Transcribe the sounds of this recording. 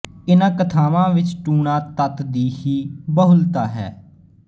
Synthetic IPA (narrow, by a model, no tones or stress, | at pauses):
ɪnãːkət̪ʰaːʋãːʋɪt͡ʃʈuːɳaːt̪ət̪d̪iːhiːbəɦʊlt̪aːɦɛ̰ː